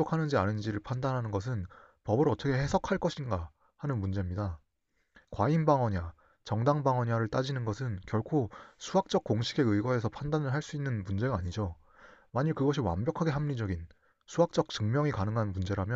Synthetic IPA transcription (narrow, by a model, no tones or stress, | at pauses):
okʰanɯnd͡ʑianɯnd͡ʑiɾɯɭpʰandanɦanɯnɡʌs̬ʰɯnpʌbɯɾʌt͈ʌkʰe̞ɦe̞sʰʌkʰaɭk͈ʌɕʰinɡa | hanɯnmund͡ʑe̞mɲida | kwainbaŋwʌɲa | t͡ɕʌŋdaŋbaŋwʌɲaɾɯɭt͈ad͡ʑinɯnɡʌsʰɯnkjʌɭkʰosʰuɦak̚t͡ɕ͈ʌk̚k͈oŋɕʰi̥ɡe̞ɯiɡwʌe̞s̬ʰʌpʰandanɯɭɦaɭs͈uinːɯnmund͡ʑe̞ɡaaɲid͡ʑo | maɲiɭkɯɡʌɕ̬ʰiwa̰nbjʌkʰaɡe̞ɦamɲid͡ʑʌɡin | sʰuɦak̚t͡ɕ͈ʌk̚t͡ɕɯŋmjʌŋikanɯŋɦanmund͡ʑe̞ɾamjʌ